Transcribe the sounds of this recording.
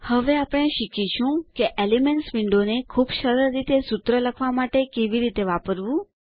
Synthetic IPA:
həʋeapɽ̃eʃikit͡ʃʰũkeʔelimeɳʈsʋiɳɖonekʰubʃəɾəɾːit̪esut̪ɾələkʰʋamaʈekeʋiɾit̪eʋapəɾʋũ

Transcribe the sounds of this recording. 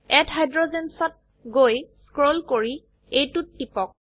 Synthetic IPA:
ɛtɦajdɹozɛnsɔt̚ | ɡojskɹolkoɹi | ejtutːipɔk̚

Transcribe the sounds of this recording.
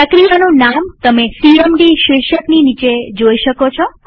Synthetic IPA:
əkɾijanunamt̪əmesiɾəmɖiʃɪʃəkninit͡ʃed͡ʒoiʃəkot͡ʃʰo

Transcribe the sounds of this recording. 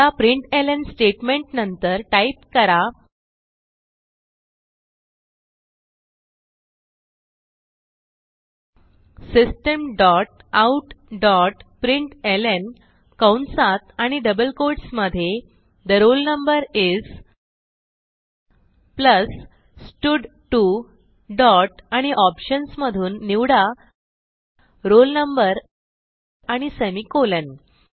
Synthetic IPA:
apɾiɳʈelensʈeʈmeɳʈnənt̪əɾʈaipkəɾa | sisʈəmɖɔʈ̚auʈɖɔʈpɾiɳʈelen | kawɳsat̪aɽ̃iɖəbəlkoɾʈsməd̪ʱje | d̪əɾolnəmbəɾid͡z | pləs | sʈuɖ | ʈu | ɖɔʈaɽ̃iʔɔpɕənsməd̪ʱuːnːiwɽa | ɾolnəmbəɾ | aɽ̃isemikolən

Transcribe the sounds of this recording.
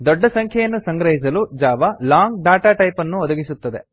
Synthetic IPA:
d̪ɔɖːɐsɐŋkʰjɐjɐnːusɐŋɡɾɐɦis̬ɐlud͡ʒaːʋɐlaːŋɡɖaːʈaːʈɐjpɐnːuɔd̪ɐɡisut̪ːɐd̪e̞

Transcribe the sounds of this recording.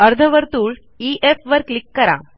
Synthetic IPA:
ɐɾd̪ʱɐʋəɾt̪uːɭ | iʔefʋəɾklikːɐɾa̰

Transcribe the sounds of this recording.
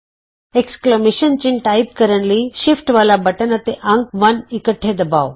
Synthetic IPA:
eksklemeʃənt͡ɕinʈaip̚kəɾəɳliʃifʈʋalabəʈənət̪eʔãŋkʋɐnikəʈʰːed̪əba̰ʋ

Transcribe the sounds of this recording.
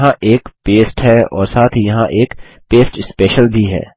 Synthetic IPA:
ɦãʔeːkpeːsʈɦɛɔ̰ːɾsaːt̪ʰɦijɐɦãʔeːk | peːsʈɪspɛːʃəlbʱiɦɛ̰ː

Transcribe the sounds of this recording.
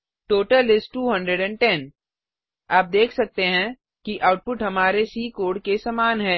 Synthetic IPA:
ʈoːʈəlɪsʈʈːuːɦɐ̃ɳɖɾeɖɛ̃ɳʈɛn | aːp̚d̪eːkʰsɐk̚t̪eɦɛ̃ | kiʔaːʊʈ̚pʊʈɦɐmaːɾesiːkoːɖkesamaːnɦɛ̃ː

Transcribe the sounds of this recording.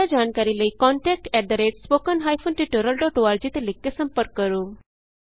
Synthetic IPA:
ad͡ʑankaɾiləikɔɳʈɛk̚ʈɛd̪əɾeʈspokənɦajfʰonʈiʈuɾəlɖɔʈoʋaɾd͡ʑit̪elekːesəmpəɾkːəɾũ

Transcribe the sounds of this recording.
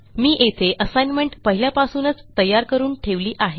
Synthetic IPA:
miːʔet̪ʰeʔəsajnmeɳʈpəɦiljapasuːnət͡st̪əjːaɾkəɾuːnʈʰeʋliːʔaɦe

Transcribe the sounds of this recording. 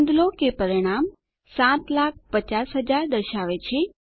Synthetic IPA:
nd̪lokepəɾiɽ̃am | sãt̪lak̚pət͡ʃasɦəd͡ʒaɾd̪əɾʃaʋet͡ʃʰe

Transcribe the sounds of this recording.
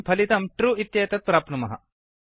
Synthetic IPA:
pʰɐlit̪ɐmʈɾuːit̪jɐːt̪ɐt̪̚pɾaːpnɐmɐɦɐ̰

